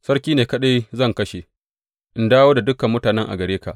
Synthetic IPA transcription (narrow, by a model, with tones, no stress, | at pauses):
sɐ˦rkʲiː˦neː˨kɐ˦ɗa˦jzɐ˦˨ŋkɐ˦ʃe˨ | ʔɪ˦ndaː˦woː˦da˨dʊ˦kɐ˨mːʊ˦taː˨nɛ˦ŋʔa̰˨ɡɐ˨ɽeː˦ka̰˨ʔ